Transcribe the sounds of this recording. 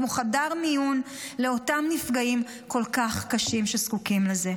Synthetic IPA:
moχadaʁmijun | le̞o̞tamnifɡaim | ko̞lkaχkaʃimʃeskukimleze̞

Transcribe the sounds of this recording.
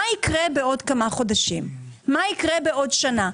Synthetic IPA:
aikʁebeo̞dkamaχo̞daʃimːaikʁebe̞ʔo̞dʃana

